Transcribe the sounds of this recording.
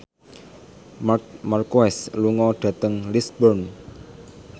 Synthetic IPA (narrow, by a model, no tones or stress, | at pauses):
markoɛsluŋɔɖ̥a̤t̪əŋlisbɔrn